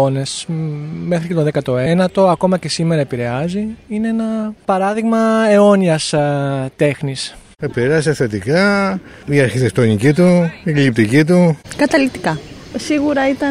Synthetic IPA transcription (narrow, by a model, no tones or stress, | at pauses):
one̞sme̞xɾicet̪oðekɐt̪o̞e̞nɐt̪o̞ɐko̞mɐce̞sime̞ɾɐepiɾe̞ɐziine̞enɐpɐɾɐðiɣmɐe̞o̞niɐst̪e̞xnis | epiɾeɐs̬ɐθet̪ikɐiɐɾçit̪ek̚t̪onicit̪uklip̚t̪icit̪ukɐt̪ɐlit̪ikɐsiɣuɾɐit̪ɐ